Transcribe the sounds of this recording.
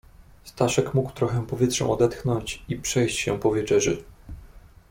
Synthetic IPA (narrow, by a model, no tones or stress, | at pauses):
st̪aʂɛkmukwt̪ɾɔxɛ̃pɔvʲjɛt̪ʂɛ̰̃ɔd̪ɛt̪xnɔɲt͡ɕipʂɛjɕt͡ɕɕɛ̰̃pɔvʲjɛt͡ʂɛʐɘ̰